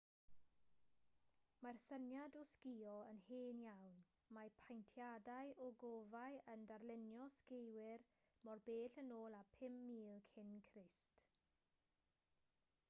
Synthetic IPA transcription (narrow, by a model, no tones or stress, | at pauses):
marsənjadɔskiɔənheːnjawn | mapʰajntʰjadajʔɔɡovajəndarlɪnjɔskejwɪr | mɔrbeːɬənoːlˠapʰɪmːiːlˠkʰɪnkʰrɪst